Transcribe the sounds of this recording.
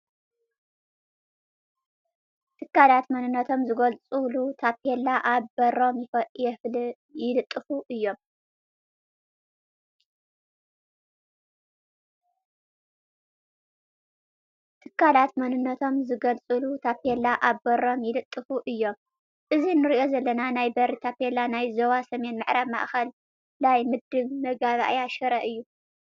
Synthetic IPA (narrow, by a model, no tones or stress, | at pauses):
t̪ʰɨkːalat̪mɐnɨnːɐt̪ʰo̞mzɨɡɐlt͡sʼulut̪ʰapʰelːaʔaβbɐɾo̞mjɪfɐjɛfl | jɪlɨt̪ʼːɨfuʔɨjːo̞m | t̪ʰɨkʰːalat̪mɐnɨnːɐt̪ʰo̞mzɨɡɐlt͡sʼɨlut̪ʰapʰelaʔaβbɐɾo̞mjɪlɨt̪ʼːɨfuʔɨjːo̞m | ʔɨzinɨɾiʔo̞zɐlːɐnanajbɐɾit̪ʰapelanajzɐwasɐme̞nmɨʕɾaβma̰ʔxɐl | lajmɨd̪ɨβmɐɡaβa̰ʔjaʃɐɾɐʔɨjːu